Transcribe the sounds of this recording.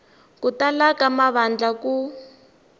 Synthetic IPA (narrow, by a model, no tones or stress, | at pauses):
kutalakamaβand͡ɮaku